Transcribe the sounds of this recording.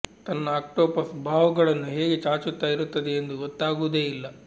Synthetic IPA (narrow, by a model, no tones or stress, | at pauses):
t̪ɐnːɐaːk̚ʈoːpɐsbʱaːʋɐɡɐɭɐnːuɦeːɡe̞t͡ʃaːt͡ʃut̪ːaːjiɾut̪ːɐd̪e̞ːnd̪uɡot̪ːaːɡud̪e̞ːilːɐ